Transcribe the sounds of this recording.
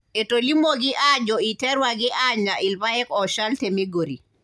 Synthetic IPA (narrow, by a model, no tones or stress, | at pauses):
etolimoɡiʔad͡ʒɔitɛɾwaɡiʔaɲaʔilpaɛkɔʃaltemiɡoɾḭ